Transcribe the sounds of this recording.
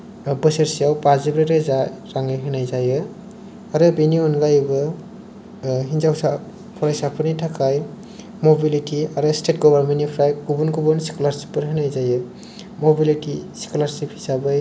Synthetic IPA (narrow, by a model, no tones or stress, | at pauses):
bɯseɾsijawpazibɾeɾezaɾaŋɯjɦɯnajzajɯ | aɾɯbiniɔnɡajbɯ | ɦinzawsa | pʰɔɾajsapʰɯnitʰakʰaj | mobilitiaɾɯstet̚ɡɔβaɾmenipʰɾajkubunkubunsi̥kɔlaɾsipːɯɾɦɯnajzajɯ | mobilitisi̥kɔlaɾsiphisabɯj